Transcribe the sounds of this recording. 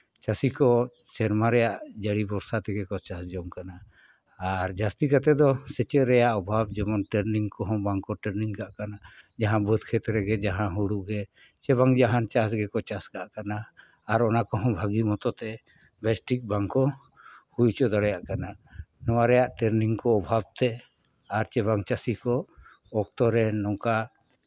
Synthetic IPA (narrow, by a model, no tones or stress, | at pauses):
t͡ʃasikɔ | t͡ʃɛɾmaɾɛjaʔd͡ʒəɽibɔɾsat̪ɛɡɛkɔt͡ʃasd͡ʒɔmkanaː | ɾd͡ʒast̪ikat̪ɛd̪ɔsɛt͡ʃɛʔɾɛjaʔɔbʱab̚d͡ʒɛmɔnʈɛɾniŋkɔɦɔ̃baŋkɔʈɛɾniŋkaʔkanad͡ʒaɦãbɔd̪̚kʰɛt̪ɾɛɡɛd͡ʒaɦãɦuɽuɡɛ | t͡ʃɛβaŋd͡ʒaɦant͡ʃas̬ɡɛkɔt͡ʃaskaʔkanaː | ɾɔnakɔɦɔ̃bʱaɡimɔt̪ɔt̪ɛ | bɛsʈik̚baŋkɔ | hujt͡ʃɔd̪ɔɽɛjaʔkananɔwaɾɛjaʔʈɛɾniŋkɔɔbʱab̚t̪ɛ | aɾt͡ʃɛbaŋt͡ʃasikɔ | ɔk̚t̪ɔɾɛnɔŋka